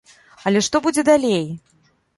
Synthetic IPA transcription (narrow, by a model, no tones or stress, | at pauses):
ɐlʲɛʂt̪ɔbud͡zʲɛd̪alʲej